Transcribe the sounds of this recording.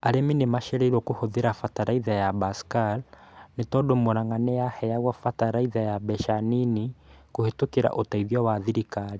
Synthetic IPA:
aɾeminemaʃɛɾɛiɾwɔkohoðeɾafataɾaiðajabaskalnetɔdomoɾaŋanejahɛjaɣwafataɾaiðajabɛʃaninikohetokeɾa̰ʔotaiðiawaðiɾikaɾi

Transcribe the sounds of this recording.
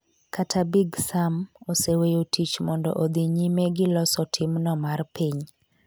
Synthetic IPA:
katʰabiɡsamosewejotʰit͡ʃmɔndɔ̰ʔod̪iɲimeɡɪlɔsɔtʰɪmnɔmarpiɲ

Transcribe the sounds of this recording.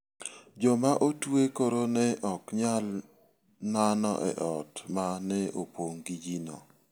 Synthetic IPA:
d͡ʒɔmaʔotwekoɾonɛʔɔkɲal | nanɔ̰ʔɛ̰ʔɔtmanɛopwoŋɡid͡ʒino̰

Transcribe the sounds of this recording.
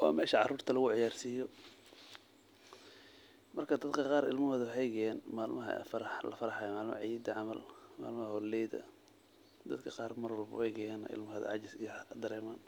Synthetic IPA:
wɑ̰ːmɛːʃɐʕɑruːrt̪ʰɐlɐɣʊʕɪjaːrsiːjɔ | mɐrkʰɐd̪ɐd̪kʰɐqɑːɾɪlmʊhɔðɐɦɛjɣɛɛːnmaːlmɐɦɐ̰fɾħlɐ̰fɐɾɐħɑjɔmaːlmɐ̰ʕid̪ɐʕɑmɐlma̰ːlmɐhɐhɔlɛjd̪ɐ̰ | d̪ɐd̪kʰɐqɑːrmɐrwɐlbʊ̰ɛjɣɛjɛnɐ̰ʔɪ̰lmʊɦɐð̰ʕɑ̰t͡ʃɪsɪd̪ɐɾɛːmaːn

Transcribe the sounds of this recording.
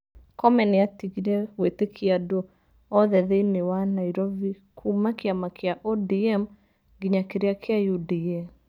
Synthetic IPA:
kɔmɛnɪatiɡiɾɛwetekʰiado | ɔðɛðenɪwanaiɾɔvi | kʰumakiamakʰeaʔɔdiɛm | ɡiɲakeɾeakeajudiɛm

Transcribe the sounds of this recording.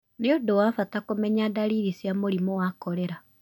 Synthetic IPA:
neodowaːfatakomɛɲadaɾiːɾisjamoɾimowakɔɾɛɾa

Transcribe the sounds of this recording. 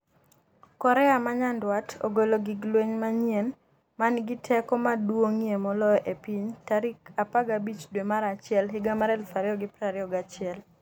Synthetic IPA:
kɔɾɛamaɲandwatʰo̰ɡoloɡiɡlweɲmaɲjen | manɡɪtʰɛkɔmadwoŋijemɔlɔjʔepiɲtaɾikapaɡabit͡ʃdwemaɾat͡ʃɪɛlɦɪɡamaɾɛlfaɾjɔɡɪpɾaɾjɔɡat͡ʃɪɛl

